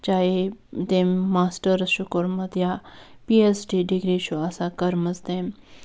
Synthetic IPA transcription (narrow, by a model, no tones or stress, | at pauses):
t͡ʃaːɦed̪eːmːaːsʈəɾʃʊkəɾmɐd̪japiːesɖiːɖiɡɾiʃuasãkɐɾməzd̪em